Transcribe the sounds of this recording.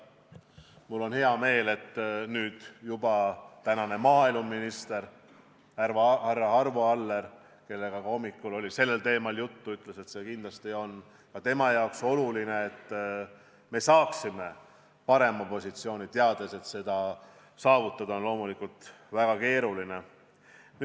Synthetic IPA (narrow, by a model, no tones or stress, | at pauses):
mulːo̞nhe̞ɑme̞ːle̞t̪ːnyːd̪̥jubɑt̪ænɑne̞mɑːilumːinist̪e̞ɾ | hærvɑrːɑɑrvoɑlːe̞ɾ | ke̞lːe̞ɡ̥ɑkɑo̞mːikːulo̞lʲise̞lːe̞lt̪e̞ːmɑljut̪ːuyt̪ˑle̞se̞t̪se̞kind̪lɑst̪io̞n | kɑt̪e̞mɑjɑokso̞luline̞ːt̪ː | me̞sɑːksime̞ | pɑɾe̞mɑpo̞sʲit̪sio̞ːnʲit̪eɑd̪̥e̞se̞t̪se̞d̪̥ɑ | sɑːvut̪ːˑɑd̪̥ɑonlo̞ːmulikult̪ | væɡ̥ɑke̞ːɾuline̞ | n